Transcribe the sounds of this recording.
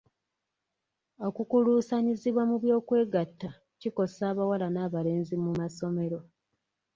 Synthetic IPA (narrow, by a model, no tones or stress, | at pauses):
o̞kukuluːsaɲiziβwamuβjo̞ːkwe̞ːɡatːa | ciko̞saːβawalanaːβale̞ːnzimumaso̞me̞ɾo̞